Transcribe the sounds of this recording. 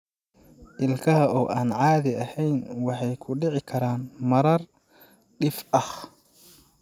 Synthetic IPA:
ʔɪlkʰɐɦɐʔɔːʔaːnʕɑːðɪɐhɛjnwɑħɑjkʰʊɖɪʕɪkʰɐɾaːnmɐɾɐr | ɖɪfɐh

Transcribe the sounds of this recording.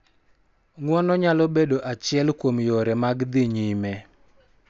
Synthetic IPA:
ŋwɔnɔɲalɔbedoʔat͡ʃɪɛlkwomjoɾɛmaɡd̪ɪɲimɛ

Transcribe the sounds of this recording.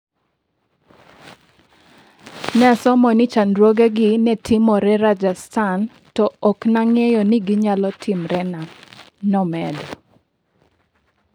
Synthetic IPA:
nɛsɔmɔnɪt͡ʃandɾwoɡɛɡɪnɛtʰɪmɔɾɛɾad͡ʒastan | tɔɔknaŋɛjɔnɪɡɪɲalɔtʰɪmɾɛna | nɔmɛdɔ

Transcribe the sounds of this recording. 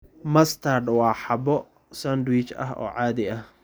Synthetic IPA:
mɐst̪ʰardwɑːħɑbɔ | sand̪wit͡ʃɐ̰ɦɔ̰ːʕaːðɪɐh

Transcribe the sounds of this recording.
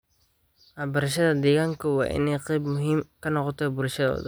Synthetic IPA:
ʔɐbɐɾɐʃ̬ɐðɐd̪ɛːɣaːŋkʰɐwɑ̰ːʔɪ̰nɛjqɛjbmʊɦiːmkʰɐnɔqɔt̪ʰɔːbʊɾʃɐðɔ̰ːðɐ

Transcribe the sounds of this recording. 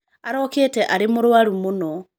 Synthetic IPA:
aɾoketeʔaɾimuɾwaɾumuno

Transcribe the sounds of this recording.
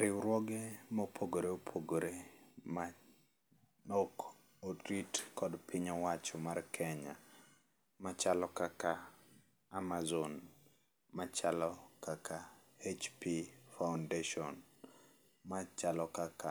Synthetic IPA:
ɾɪwɾwɔɡemɔpʰoɡoɾeopʰoɡoɾema | nok | otɾitkɔdpɪɲɔwat͡ʃɔmarkʰɛɲa̰ | mat͡ʃalɔkaka | amazon | mat͡ʃalɔkakʰaet͡ʃpifawndeʃɔn | mat͡ʃalɔkaka

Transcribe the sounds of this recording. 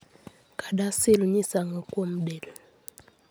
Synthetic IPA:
kadaselɲisaŋakwom̩dɛl

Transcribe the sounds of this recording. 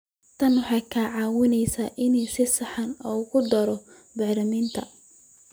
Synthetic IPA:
t̪ʰɐnwʊħɑjkʰaʕɑːwɪnɛjsaːʔɪnuːsɪsɐħɑnɔːɣʊd̪ɐɾɔ | bɑʕɾɐmiːnt̪ʰɐ

